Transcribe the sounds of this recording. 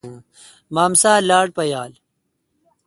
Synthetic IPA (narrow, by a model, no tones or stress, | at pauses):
maːmsaːlaːɽ̚pɐjaːl